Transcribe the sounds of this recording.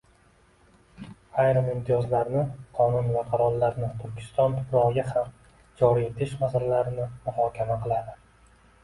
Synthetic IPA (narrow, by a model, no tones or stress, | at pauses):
ajɾɨmɪmt̪ʰɪjɒzlaɾnɪqʰɒnʊnvaqʰɑɾɒlˠːaɾnɪt̪ʰʊɾkʲʰɪ̥st̪ɒnt̪ʰʊɾɒɡʲaham | d͡ʒɒɾie̞t̪ʰɪʃmazɪɾlaɾɪnɪmʊhɒkʲʰamaqɨlˠad̪ɪ